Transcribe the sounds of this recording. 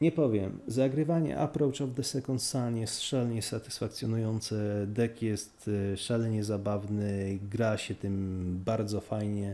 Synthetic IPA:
ɲɛpɔvʲjɛmzaɡɾɘvaɲɛ̰ʔa̰pɾɔwt͡ʂɔvd̪ɛsɛkɔnt̪sanjɛst̪ʂalɲɛsat̪ɘ̥sfakt̪sʲjɔnujɔnt̪sɛd̪ɛkjɛst̪ʂalɛɲɛzabavnɘɡɾaɕɛt̪ɘmbaɾd̪zɔfajɲɛ

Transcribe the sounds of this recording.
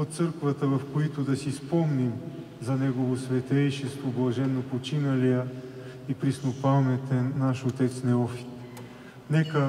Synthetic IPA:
ot̪t̪sɤɾkvət̪əvɐfkoit̪ʊd̪ɐsispɔmnim | zɐnɛɡovosvɛt̪ɛjʃɛst̪voblˠɐʒɛnːopot͡ʃinɐlijə | ipɾisnopalˠnɛt̪ɛnːaʃot̪ɛt̪snɛɔfi̥t̪ | nɛkə

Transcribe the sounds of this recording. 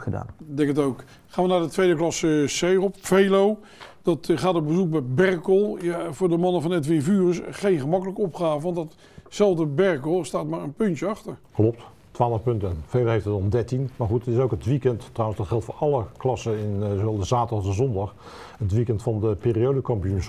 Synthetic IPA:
əda̰ːndɛŋkətowk | χaːnʋənaːdətʋejdəklɑsəsejrɔpfejlow | d̥ɑtχaːtɔbəzuk̚bɛbɛrkɔlˠjavʊːɹdəmɑnəvɑnɛtʋɪnfyːrəsχejnχəmɑkələkəɔpχaːvəʋɑntdɑt | sɛlˠvdəbɛɹkɔlˠstaːtmaːɹə̰npɵntjəɑxtəɹklɔp̚t | tʋaːləfpɵntənfejloɦejftətɔmdɛɹtinmaɹχutətɪsowkətʋikɛntːrawənsdɑtχɛlˠtfoːɑlˠəklɑsəɪnzowɛlˠdəzaːtədɑχəzɔndɑχ | ətʋikɛntfɑndəpeːriowdokɑmpəjuns

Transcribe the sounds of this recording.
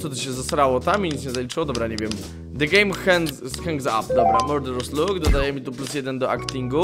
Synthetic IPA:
t̪ɔd̪ɛɕɛzasaɾawɔt̪amiɲit̪sɲɛzalʲit͡ʂɘwɔd̪ɔbɾaɲevʲjɛm | d̪ɛɡɛjmxɛŋsxɛŋɡza̰pd̪ɔbɾamɔd̪ɛɾɔsluɡd̪ɔd̪ajɛmʲit̪uplusjɛd̪ɛnd̪ɔakt̪ʲiŋɡu

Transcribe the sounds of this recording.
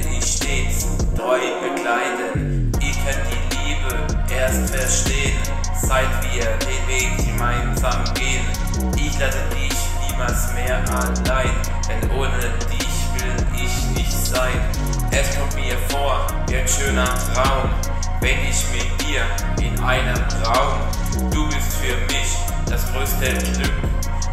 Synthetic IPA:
nɪçʃteːt͡s | d̥ʁɔʏb̥əɡlaɪtən | ʔɪtʰɛdiliːbə | ʔeːɐstfɛɐʃteːən | z̥aɪtv̥iːɐɐdeːnveːɡŋ̩əmaɪnzaːmɡeːən | ʔɪçlasədɪçniːmalsmeːɐʔanlaɪn | d̥ɛnʔoːnə | d̥ɪçv̥ɪl | ɪçnɪçtz̥aɪn | ʔɛskʰɔbiːəfoːɐ | ʔanʃøːnɐ | ʁaʊm | vɛnɪçmɪtmiːɐ | ʔɪnʔaɪnəmʁaʊm | d̥uːbɪstfyːɐmɪç | d̥asɡ̥ʁøːstəɡlʏk

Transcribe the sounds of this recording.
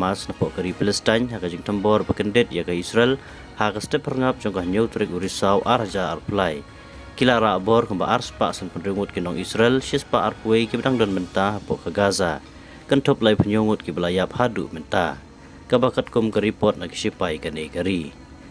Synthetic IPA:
masnapɔʔkəɾipələst̪ajɲɦakad͡ʒiŋt̪ʰəmbɔrbəkəndɛt̪̚jakaisɾɛl | hakəstəphərŋap̚d͡ʒɔŋkahɲəwt̪uɾik̚uɾisawʔarhad͡ʒaa̰rpulaj | kilaʔɾaʔbɔrkəmba̰ʔarspa̰ʔsənpənɾuŋʊt̪̚kinɔŋisɾɛlʃispaʔarpuejkibədaŋdɔnmənt̪anapɔ̰ʔkaɡaza | kənt̪ʰɔp̚lajpʰəɲuŋʊt̪̚kibəlajap̚hadṵʔmənt̪a | kabakət̪̚kumkəɾipɔt̪̚naki̥ʃipajkanekəɾi

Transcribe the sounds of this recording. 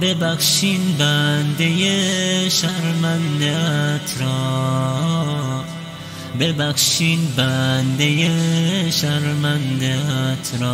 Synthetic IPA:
bebaxʃinbænd̪ejeʃæɾmænd̪et̪ʰɾɔ | bebæxʃinbænd̪ejeʃaɾmand̪et̪ʰɾɔː

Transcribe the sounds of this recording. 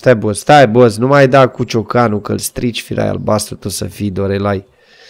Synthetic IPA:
st̪ajbozst̪ajboznumajd̪akut͡ʃokanukəlst̪ɾit͡ʃfiɾa̰ja̰lbast̪ɾut̪osə̰fijd̪oɾelaj

